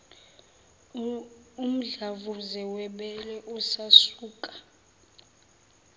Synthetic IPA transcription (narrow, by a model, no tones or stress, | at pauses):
um̩ɮavuzɛwɛɓɛlɛʔusasuːkʼḁ